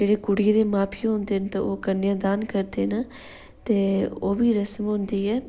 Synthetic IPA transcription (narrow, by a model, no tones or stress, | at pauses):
d͡ʒeːɽeːkʊɽɪjeːd̪eːmaːpʰiːɦõnd̪eːnt̪ãːʔoːkənːjãːd̪aːnkəɾd̪eːnə | t̪eːoːbiːɾəsmɦʊ̃nd̪iːɛː